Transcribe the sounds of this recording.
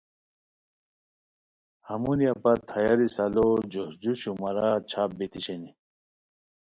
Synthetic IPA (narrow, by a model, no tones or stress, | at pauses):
hɐmunijapɐt̪ʰɐjaɾisɐlod͡ʑohd͡ʑuɕumɐɾat͡ɕʰaːp̚bet̪iɕeni